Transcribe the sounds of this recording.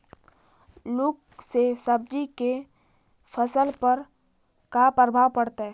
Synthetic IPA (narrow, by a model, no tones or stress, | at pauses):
lʊk | sesɐb̚d͡ʒike | fʰəsəlpəɾ | kapɾəbʱaʋpɐɽt̪aɦɛ